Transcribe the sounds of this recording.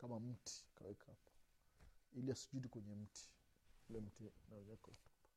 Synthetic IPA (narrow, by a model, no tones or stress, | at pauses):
kamam̩tʰi̥ka̰wɛkahapḁ | iliasu̥d͡ʒudikwɛɲɛm̩tʰi̥ | ulɛm̩tinaɲakautɔ̥pḁ